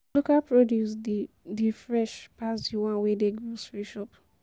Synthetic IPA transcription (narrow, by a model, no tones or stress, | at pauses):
lokapɹodjus | difɹɛʃpasdiwãnwedeɡɹosfɹiʃɔp